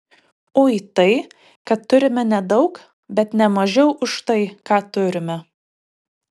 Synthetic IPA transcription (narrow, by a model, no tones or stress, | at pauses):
oːit̪ɐɪ | kɐt̪ːʊɾʲɪmʲɛnʲɛd̪ɒʊk | bʲɛt̪nʲɛmɐʒʲɛʊʔʊʃt̪ɐɪkɑːt̪ʊɾʲɪmʲɛ